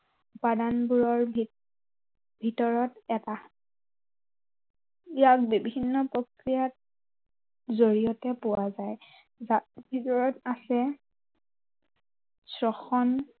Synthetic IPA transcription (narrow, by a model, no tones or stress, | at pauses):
upadanbuɹɔɹ | bʱitɔɹɔtɛta | ijak̚bibʱinːɔpɹokɹijat̚ | zoɹijɔtɛpʊwazaj | zabʱitɔɹɔtasɛ | sɹɔxɔn